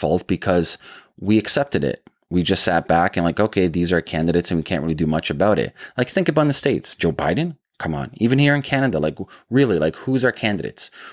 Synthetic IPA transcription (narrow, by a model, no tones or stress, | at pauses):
fɔ̰lˠt̚b̥ɨkʰʌzwiɨksɛp̚tɨɾɪ̰t̚ | wid͡ʒʌstsæt̚b̥ækɨ̃nlaɪkoʊkʰeɪðizə˞kʰæ̃ndɨɾeɪtsɨ̃nwikʰæ̃nʔ̚ɹɪlˠidɨmʌt͡ʃɨbaʊɾɪ̰t̚laɪk̚θɪ̃ŋkɨəbaʊ̃nðɨsteɪtsd̥ʒ̥oʊba̰ɪdⁿn̩ | kʰʌ̃mə̰̃nivɨ̃nhiɹɨ̃nkʰænɨɾəlaɪkɹɪlˠilaɪkhuzə˞kʰæ̃ndɨɾḛɪts